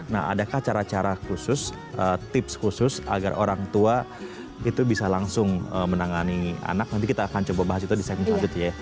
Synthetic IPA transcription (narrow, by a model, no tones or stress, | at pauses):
na̰a̰dakaht͡ʃaɾat͡ʃaɾakusʊs | ət̪ɪpskusʊsa̰ɡa̰rʔo̰ɾaŋt̪ua | it̪ubisalaŋsʊŋəmənaŋania̰nak̚nant̪ikit̪aːkant͡ʃobabaɦasit̪udisamɪŋsad͡ʒʊt̪ja